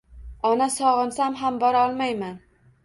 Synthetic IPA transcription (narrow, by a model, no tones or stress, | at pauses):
ɒnasɒʁɨnsamɦambɒɾɒlˠmajman